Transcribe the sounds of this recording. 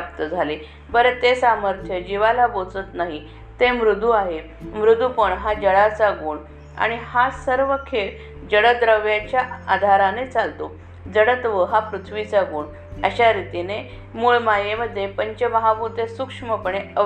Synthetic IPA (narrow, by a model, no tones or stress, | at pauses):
ap̚t̪əd͡zʱale | bəɾet̪esaməɾt̪ʰjəd͡ʑiʋalabot͡sət̪naɦi | t̪emɾud̪ʱuaɦe | mɾud̪ʱupəɳɦad͡ʑəɽat͡saɡuːɳ | a̰ɽ̃ihasəɾʋəkʰel | d͡ʑəɽəd̪ɾəʋjat͡ɕjaad̪ʱaɾanet͡salt̪o | d͡zəɽət̪ʋəɦapɾut̪ʰʋit͡saɡuːɳ | əɕaɾit̪ine | muɭmajeməd̪ʱːjepəɲt͡ɕəməɦabut̪esukʂməpəɳeə